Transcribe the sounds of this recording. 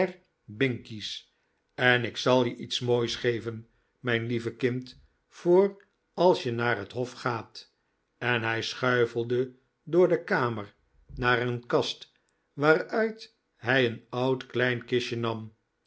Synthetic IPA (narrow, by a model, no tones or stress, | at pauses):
ɛr | bɪŋkis | ɛnɪksɑlˠjəʔitsmoːjsχejvən | mɛjnlivəkɪnt | fʊːr | ɑlˠsjənaːrɦətɦɔfχaːt | ɛnɦɛjsχœɥvəl̩ˠdə | dʊːɹdəkaːməɹ | naːɾənkɑst | ʋaːɾœɥt | ɦɛjənɑwtklɛjnkɪʃənɑm